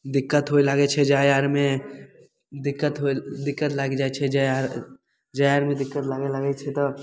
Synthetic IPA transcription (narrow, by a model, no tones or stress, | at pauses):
d̪ɪkːət̪ɦoilaɡɛt͡ʃʰɛd͡ʒaːjaːɾmẽ | d̪ɪkːət̪ɦod̪ɪkːət̪laːɡid͡ʒaːet͡ʃʰɛd͡ʒaɾ | d͡ʒajaːɾmẽd̪ɪkːət̪laːɡelaɡɛt͡ʃʰɛt̪o